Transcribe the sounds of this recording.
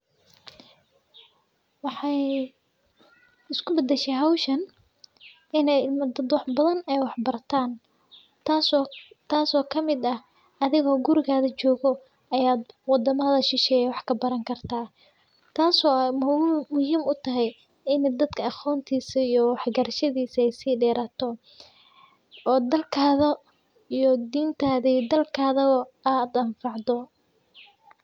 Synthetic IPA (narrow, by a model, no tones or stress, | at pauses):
wɑħɑj | ɪskʰʊbɐd̪ɛʃɛɦawʃɐn | ɪnɛjmd̪ɐd̪wɑħbɐðɐnɛjwɑħbɐrt̪ʰaːn | t̪as | t̪ʰaːsɔːkʰɐmɪd̪ɐh | ɐðɪɣɔːɡʊɾɪɣaːðɐt͡ʃɔːɣɔ | ʔɐjaːd̪̚wɑd̪ɐmɐðɐʃɪʃɛːjɛwɑħkʰɐbɐɾɐŋkʰɐrt̪ʰaː | t̪ʰaːsɔːjmːʊhiːmʊt̪ʰɐɦɛj | ɪnɛd̪ɐd̪kʰɐɐχɔːnt̪ʰiːsɐijɔwɑħɡɐɾɐʃɐðiːsɐɛjsiːɖɛːɾaːt̪ʰɔ | ɔːd̪ɐlkʰaːðɐ | ijɔd̪iːnt̪ʰaːðɐijd̪ɐlkʰaːðɐɔaːd̪ɐɱfɑʕd̪ɔ